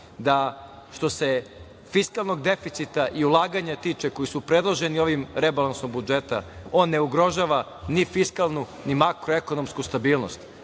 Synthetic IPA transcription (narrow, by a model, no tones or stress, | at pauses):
d̪a | ʃt̪o̞se̞ | fiskalˠno̞ɡd̪e̞fit̪sit̪aʔiulˠaːɡaɲat̪iːt͡ʃeko̞jisupɾe̞d̪lˠoʒe̞nio̞ʋimɾe̞balˠansnombud͡ʒet̪ao̞ːnːe̞uɡɾo̞ʒaːʋa | nifiskalˠnu | nimakɾo̞eko̞no̞mskust̪abiːlˠno̞̰st̪